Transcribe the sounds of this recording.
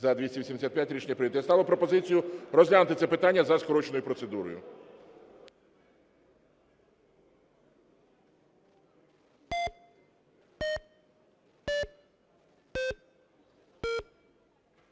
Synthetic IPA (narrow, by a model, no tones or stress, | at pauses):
zɐd̪ʋʲisʲiʋʲisʲimd̪esʲat̪̚pʲjatʲɾʲit͡ʃnʲɐpɾɪʋid̪jɛst̪ɑlˠɐpɾɔpɔzɪt͡sʲijʊrɔzʲlʲanʊt̪ɪt̪sɛpɪt̪anʲːɐzɐskɔɾɔt͡ʃenʊjʊpɾɔt̪sed̪uɾɔ̰jʊ̰